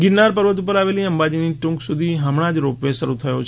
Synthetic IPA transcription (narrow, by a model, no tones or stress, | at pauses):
ɡɪnːaɾpəɾʋət̪up̬əɾaʋeliəmbad͡ʒiniʈũŋksud̪ʱiɦəmɽ̃ad͡ʒɾopʋeʃəɾut̪ʰəjo̰t͡ʃʰ